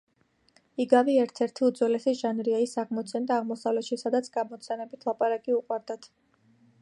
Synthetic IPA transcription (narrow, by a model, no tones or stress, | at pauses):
iɡaviɛɾt̪ʰɛɾt̪ʰiud̪zwɛlɛsiʒ̥anɾiaisaʁmɔt̪sʰɛnd̪aːʁmɔsavlɛt̪ʃisad̪at̪sʰɡ̥amɔt̪sʰɛnɛbit̪ʰlˠapʼaɾakʼiuqʼwaɾd̪at̪ʰ